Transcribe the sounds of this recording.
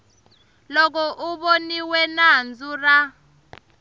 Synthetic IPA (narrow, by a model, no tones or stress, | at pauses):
lɔk̬ɔʔuɓoniwɛnand͡zura